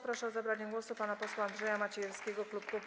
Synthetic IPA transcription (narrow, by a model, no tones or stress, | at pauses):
pɾaʂɛzabɾaɲɛɡwɔsupanapɔswaːnd̪ʐɛjamat͡ɕɛjɛɾskʲɛɡɔklup̚kup